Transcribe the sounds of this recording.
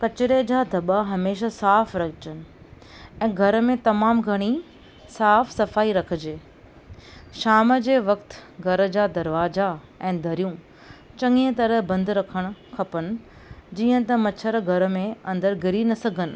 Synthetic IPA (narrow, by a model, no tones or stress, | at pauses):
kɐt͡ɕɪɾed͡ʑaːd̪ʱɐɓaɦɐmeːʃasaːfɾɐkt͡ɕənɪ̆ | ɛ̃ːɡʱɐɾmẽt̪ɐmaːmɡʱɐɽ̃i | saːfsɐfaːiɾɐkʰɪ̆d͡ʑeː | ʃaːmd͡ʑeːʋɐkt̪ɡʱɐɾəd͡ʑaːd̪ɐɾʋaːza | ɛ̃ːd̪ʱɐɾjũ | t͡ɕɐ̃ŋiə̃t̪ɐɾəɦbɐ̃nd̪ɾɐkʰəɽ̃ʊ̆kʰɐpəñɪ̆ | d͡ʑiːə̃t̪ɐmɐt͡ɕʰəɾɡʱɐɾmẽɐ̃nd̪əɾɡʱɪɾinɐsɐɡʱənɪ̆